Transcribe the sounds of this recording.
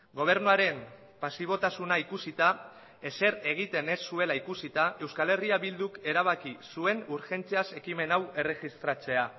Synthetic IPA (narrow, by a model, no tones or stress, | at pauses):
ɡo̞β̞e̞ɾnuaɾe̞m | pasiβ̞o̞t̪asunaikusit̪a | e̞se̞ɾe̞ɣ̞it̪e̞ne̞sːue̞laikusit̪aʔe̞wskale̞riaβild̪uke̞ɾaβ̞akisue̞nuɾxe̞nt͡sease̞kime̞nawe̞re̞ɣist̪ɾat͡se̞a